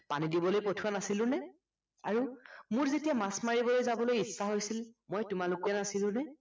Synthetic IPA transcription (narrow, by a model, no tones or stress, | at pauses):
panidibɔlojpotʰuwanasilʊ̃nɛ | a̰ɹumʊɹzetijamasmaɹibɔlojzabɔlojisːaɦojsilmojtʊmalʊkɔnasilʊ̃nɛ